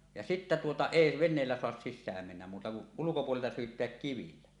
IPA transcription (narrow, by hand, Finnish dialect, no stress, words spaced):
jɑ sitːæ tuotɑ eˑi ʋenˑeːlːæ soɑs sisʲsæːm menːæm muːtɑ kuʔ ulukopuoleltɑ syːtˑeæk kiʋilːæ